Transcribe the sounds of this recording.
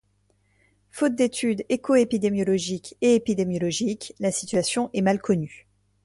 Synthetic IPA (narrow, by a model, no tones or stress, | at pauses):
fot̪̚d̪et̪ʰyd̪ekoepid̪emjɔlɔʒikeepid̪emjɔlɔʒiklasi̥t̪ɥasjɔ̃ʔɛmalkɔny